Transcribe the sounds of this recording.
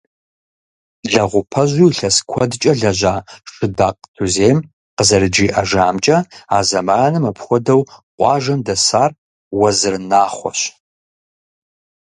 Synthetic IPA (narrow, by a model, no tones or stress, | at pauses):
ɮɐʁʷʊpʰɐʑujɬɐskʷʰɔdt͡ʃʼɐɮɐʑaːʂɨdaːqtʰuzeːjm | qəzɐɾɨd͡ʒiːʔɐʒaːmt͡ʃʼɐa̰ːzɐmaːnɨmɐpʰχʷɔdɐwqʷʼɑːʒɐmdɐsaːr | wɐzɨrnaːχʷɔ̰ɕ